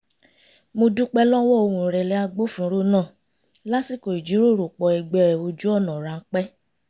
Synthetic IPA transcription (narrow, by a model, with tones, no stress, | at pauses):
mo˧du˦k͡pɛ˦lɔ˦wɔ˦o˧wũ˧˨ɾɛ˨lɛ˦a˧ɡ͡bo˦fũ˦˨˦ɾo˦nãː˦˨ | la˦si˦˨ko˨i˨d͡ʒi˨˦ɾo˦˨ɾo˨k͡pɔ˨ɛ˧˨ɡ͡bɛ˧˦ɾɛ˨o˧d͡ʒu˦ɔ˦˨nã˨ɾa˨ŋ̩˦k͡pɛ˦